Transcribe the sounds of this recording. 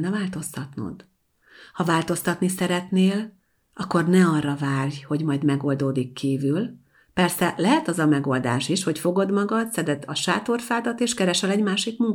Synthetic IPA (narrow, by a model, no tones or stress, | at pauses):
nːɛvaːlt̪o̞st̪ɒt̪no̰d̪ | hɒvaːlt̪o̞st̪ɒt̪nisɛɾɛt̪neːl | ɒkːo̞rnɛɒrːɒvaːrjho̞ɟmɒjd̪mɛɡo̞ld̪oːd̪ikːiːvyl | pɛrsɛlɛɦɛt̪ɒzɒmɛɡo̞ld̪a̰ːʃiʃho̞cfo̞ɡo̞d̪mɒɡɒd̪sɛd̪ɛd̪ɒʃaːt̪o̞rfaːd̪ɒt̪eːʃkɛɾɛʃɛlɛɟmaːʃikmuŋ